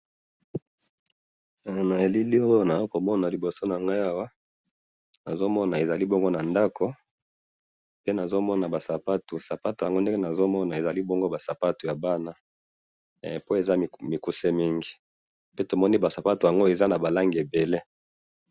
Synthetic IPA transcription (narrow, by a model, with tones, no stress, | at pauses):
na˨e˨li˦li˦o˦jo˦na˨o˦ko˨mɔ˦na˨li˨bo˨so˦na˨ŋɡa˦ja˦wa˦ | na˨zo˦mɔ˦na˨e˨za˨li˦bo˦ŋɡo˦na˨nda˦kʰo˦ | pe˦na˨zo˦mɔ˦na˨ba˨sa˨pa˦tu˨sa˨pa˦tja˨ŋɡo˦nde˦ŋɡe˦na˨zo˦mɔ˦na˨e˨za˨li˦bo˦ŋɡo˦ba˨sa˨pa˦tu˨ja˨ba˦na˦ | po˦e˨za˦˨mi˨ku˨se˦mi˦ŋɡi˨ | pe˦to˨mɔ˦ni˦ba˨sa˨pa˦tu˨ja˨ŋɡo˦e˨za˦na˨ba˨la˦ŋɡi˨e˨be˨le˦